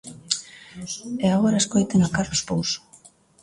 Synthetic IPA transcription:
eaɣoɾaeskojt̪eŋakarlospowso̥

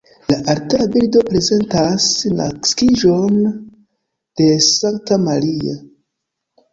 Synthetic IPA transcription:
laʔaɾteabildo̞pɾe̞ze̞ntasna̰kskiʒo̞n | d̥e̞saŋk̚tamaɾia̰

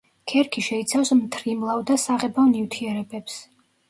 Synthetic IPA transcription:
kʰɛɾkʰiʃɛit̪sʰafsmt̪ʰɾimlˠavd̪asaʁɛbavnivt̪ʰiɛɾɛbɛps

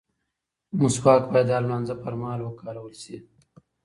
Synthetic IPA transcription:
musfɑːkbajd̪aːlmanzapɐɾmɑːlwəkɑːɾawəlsi

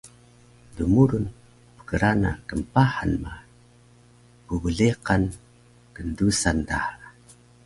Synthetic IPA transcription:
dumuɾun | pə̥kəɾanakəmpahanma | pubəɮeqan | kəndusantaha

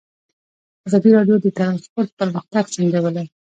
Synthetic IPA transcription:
azɑd̪iɾɑɖjod̪ət̪aɾɑnspoɾt̪̚pəɾməxt̪aɡsand̪ewəla

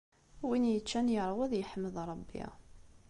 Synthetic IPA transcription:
winjət͡ʃːænjəɾˤwæðjəħəmːəðˤɾˤɑbːḭ

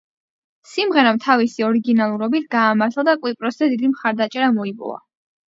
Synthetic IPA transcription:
simʁɛɾamt̪ʰavisiɔɾiɡinalˠuɾɔbit̪ʰɡ̥aːmaɾt̪ʰlad̪akʼwipʼɾɔsz̥ɛd̪id̪imχaɾd̪at͡ʃʼɛɾamɔipʼɔ̰va̰

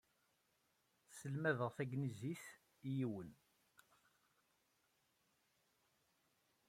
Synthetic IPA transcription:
səlmæðəʁθæɡniziθ | ijiwən

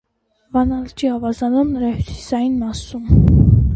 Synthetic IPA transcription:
vɑnɑlt͡ʃiɑvɑzɑnumnəɾɑhusi̥sɑjinmɑsum

